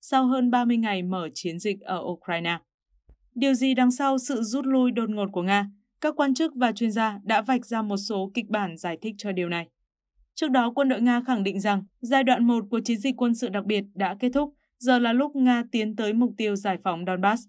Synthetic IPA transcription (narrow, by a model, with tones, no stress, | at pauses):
sa˧wɦəː˧nɓaː˧mɨ˧əjŋa˨˩jməː˧˩t͡ɕi˨˦ənzï˨˩k̟̚ʔəː˧˩ʔu˧kɾaː˧jnaː˧ | ɗi˨˩əwzi˨˩ɗa˨˩˦ŋsa˧wsɨ̰˧˨zu˦˥t̚lu˧jɗo˧˩t̚ŋo˨˩t̚ku˧˩əŋaː˧ | kaː˦˥kːwaː˧nt͡ɕɨ˦˥k̚vaː˨˩t͡ɕwi˧ənzaː˧ɗa̰ː˧˥va˨˩jk̟̚zaː˧mo˨˩t̚so˨˦kï˨˩k̚ɓaː˧˩nzaː˧˩jt̪ʰï˦˥k̚t͡ɕɔ˧ɗi˨˩əwna˨˩j | t͡ɕɨ˦˥ək̚ɗɔ˨˦kwə˧nɗo̰˧˨jŋaː˧xa˧˩ŋɗḭ˧˨ŋ̟za˨˩ŋzaː˧jɗwa̰ː˧˨nmo˨˩t̚ku˧˩ət͡ɕi˨˦nzï˨˩k̟kwə˧nsɨ̰˧˨ɗa˨˩k̚ɓi˨˩ət̚ɗa̰ː˧˥ke˦˥t̚t̪ʰʊ˦˥k͡p̚ | zəː˨˩laː˨˩lʊ˦˥k͡p̚ŋaː˧t̪i˨˦ənt̪əː˨˦jmʊ˨˩k͡p̚t̪i˧əwzaː˧˩jfa˨˦wŋ͡mɗɔ˧nɓaː˦˥s